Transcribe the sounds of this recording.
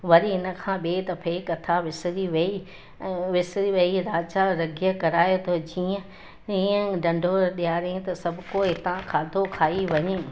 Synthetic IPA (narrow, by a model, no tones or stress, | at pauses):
ʋɐɾiɦɪnə̆kʰãːɓeːt̪ɐpʰeːkɐt̪ʰaʋɪsɾiʋɐĩ | ʋɪsɾiʋɐiɾaːt͡ʃaɾɐɡʱijəkɐɾaːjot̪ʰod͡ʑiːə̃ | iːə̃ɖɐ̃ɳɖʱoɗijaːɾẽt̪ɐsɐbʱʊkoɦɪt̪ãkʰaːd̪ʱokʰaːiʋɐɲe